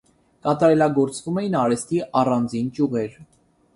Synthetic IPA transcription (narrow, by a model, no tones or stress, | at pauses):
kɑt̪ɑɾɛlɑɡɔɾt͡svumɛjinɑɾɛst̪iʔɑrɑnd͡zint͡ʃuʁɛɾ